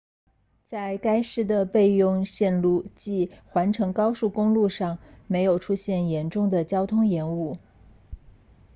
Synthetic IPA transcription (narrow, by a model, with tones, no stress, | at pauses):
t͡sa˥˩ɪka˥ɪʂɻ̩˥˩d̪ə˨pe˥˧ɪjʊ˥˧ŋɕjɛ˥˧nlu˥˩t͡ɕi˥˩xwa˧˥nʈ͡ʂʰɤ˧˥ŋkɑ˥ʊʂu˥˩kʊ˥ŋlu˥˧ʂɑ˥˩ŋme˧˥ɪjo˨˩ʊʈ͡ʂʰu˥ɕjɛ˥˩njɛ˧˥nʈ͡ʂʊ˥˩ŋd̪ə˩t͡ɕjɑ˥ʊt̪ʰʊ˥ŋjɛ˧˥nu˥˩